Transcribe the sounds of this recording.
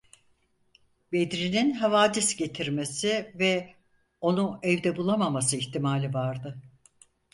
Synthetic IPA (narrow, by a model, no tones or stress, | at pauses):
be̞d̪ɾininɦavaːd̪isɟe̞t̪ʰiɾme̞sivɛ | o̞nuɛvd̪ɛbulˠamamas̬ɯiçt̪imaːlʲivaɾd̪ɯ